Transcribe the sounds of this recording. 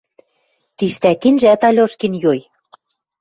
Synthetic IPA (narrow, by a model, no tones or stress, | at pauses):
t̪iʃt̪ækinʒæt̪ɑlʲoʃkinjoj